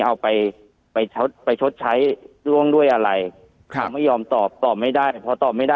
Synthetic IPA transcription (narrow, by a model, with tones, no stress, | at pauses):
ʔa˧wpa˧j | pa˧jt͡ɕʰo˦˥t̪̚pa˧jt͡ɕʰo˦˥t̪̚t͡ɕʰa˦˥jɾu˥˩əŋdu˥˩əjʔa˧ɾa˧jʰ | a˧˦ma˥˩jːɔː˧mt̪ɔː˨˩p̚t̪ɔː˨˩p̚ma˥˩jdaː˥˩jpʰɔ˧t̪ɔː˨˩p̚ma˥˩jdaː˥˩